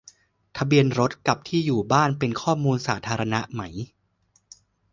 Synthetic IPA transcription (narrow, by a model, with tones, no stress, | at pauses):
t̪ʰa˧bi˧ənɾo˦˥t̪̚ka˨˩p̚t̪ʰiː˥˩juː˨˩baː˥˩npe˧nkʰɔː˥˩muː˧nsaː˩˦t̪ʰaː˧ɾa˧na˦˥ʔma˦˥j